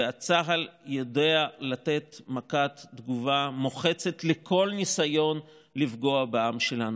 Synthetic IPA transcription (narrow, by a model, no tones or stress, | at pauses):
eat͡saɦaljode̞alate̞t̪makat̪dɡuvamoχe̞t͡se̞tlekʰo̞lnisajo̞n | lifɡo̞abeamʃe̞lanu